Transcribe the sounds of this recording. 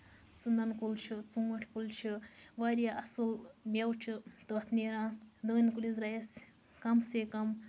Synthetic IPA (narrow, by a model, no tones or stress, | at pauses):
sɨnd̪ankult͡ʃʰit͡sumɐʈʰkult͡ʃʰiʋaɾjaʔɐsɨlmʲawt͡ʃʰit̪ot̪ʰneɾãːd̪əːnkulizɾajɐs | kɐmsekɐm